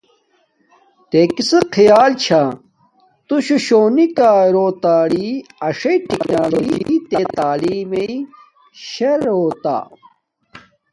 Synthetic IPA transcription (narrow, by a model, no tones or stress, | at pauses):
t̪ekiseqʰijaːlt͡ɕʰa | t̪uɕuɕoːnikaːɾoːt̪aːɽiɐʂɐiʈiknaːloɡḭt̪et̪aːliːmei | ɕeɾoːt̪a̰ː